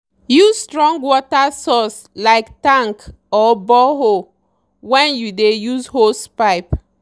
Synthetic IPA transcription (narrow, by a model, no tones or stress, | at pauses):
juzstɹɔ̃ŋɡwɔtasɔs | laɪktãŋk | ɔbɔɦo | wɛ̃njudejuzhospaɪp